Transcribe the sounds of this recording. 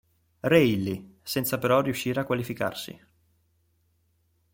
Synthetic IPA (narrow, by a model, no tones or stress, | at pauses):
reilːisɛnt̪sapeɾɔriuʃːiːɾeakːwalifika̰rsḭ